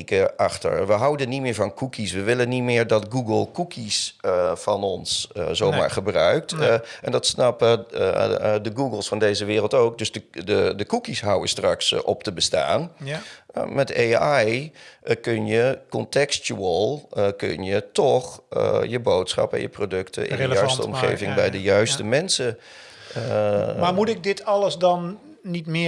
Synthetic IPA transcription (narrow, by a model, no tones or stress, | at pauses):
kəaxtə̰ɹʋəɦawdənitmɪːɹvɔnkʰukʰisʋəʋɪlənitmɪːɹdɔtɡuɡəlˠkukʰisfɑnɔnszoːmma̰ːɹχəbrœɥk̚tʔɛndɔtsnɑpə | dəɡuɡəlˠsfɔndeːzəʋɪːrəlˠtoːk̚døsdəədəkukisɦawəstraksɔp̚təbəsta̰ːn | mɛteajkønjəkɔntɛkstuəlˠkø̰njətɔxjəboːtsχɑ̰pɛ̰njə̰prodøktʰə̰ɪ̰nəjɥstəɔmχḛːvɪŋbɛjdəjœɥstəmɛnsə | mamutɪk̚dɪtʰɑləsdɑnː | itmɪ